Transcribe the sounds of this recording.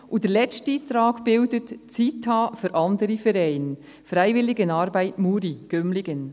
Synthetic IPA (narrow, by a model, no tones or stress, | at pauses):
ʔud̥əlɛstit̪ɾɑːɡb̥ɪldətt͡sitʰːɑːfyɾʔɑndəɾifɛɾɛɪn | fɾæɪvɪlɪɡənɑɾbæɪtmuːɾiɡ̥ømlɪɡən